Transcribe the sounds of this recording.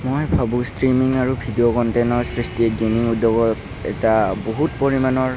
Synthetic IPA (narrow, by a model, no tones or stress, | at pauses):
mojbʱabũstɹimiŋaɹubʱidiɔkɔntejnɔɹsɹistiɛɡeniŋudːɔɡɔt | ɛ̰taboɦutpoɹimanɔɹ